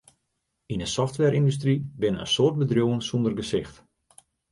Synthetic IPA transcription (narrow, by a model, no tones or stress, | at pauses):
inəsɔftʋɛɾʔindus̬tribɪnəə̰nsoːrt̚bədrjowənsundərɡəsɪxt